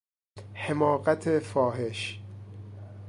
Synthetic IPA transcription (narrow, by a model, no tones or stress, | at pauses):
hemɒːɢæt̪ʰefɒːɦe̞ʃ